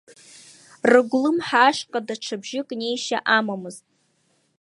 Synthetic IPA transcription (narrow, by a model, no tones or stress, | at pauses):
rɨɡʷlɨmħaːʃqʼadaʈ͡ʂʰabʒɪkʼne̞jʃa̰ʔamamɨztʼ